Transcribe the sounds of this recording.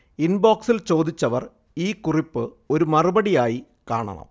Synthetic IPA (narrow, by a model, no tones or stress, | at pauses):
inboːksilt͡ɕo̞ːd̪it͡ɕːɐʋɐr | iːkuripːɨ | o̞ɾumɐrubɐɽijaːji | ka̰ːɳɐ̰ɳɐ̰m